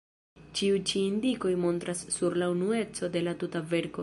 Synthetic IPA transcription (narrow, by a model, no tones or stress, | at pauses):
t͡ʃiujt͡ʃiːndiko̞jmo̞nt̪ɾasːuɾlaunue̞t͡so̞de̞latutave̞ɾko̞